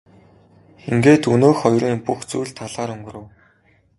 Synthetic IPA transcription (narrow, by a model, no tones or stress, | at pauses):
iŋɡeːt̪ɵnoːxɔjriːŋŋpuxt͡sujɮt̪ʰaɮaːɾɵŋɡɵ̆rɘ̆w